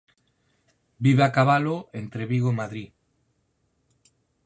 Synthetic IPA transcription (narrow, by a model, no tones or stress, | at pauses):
biβakaβaloent̪ɾeβiɣomaðɾi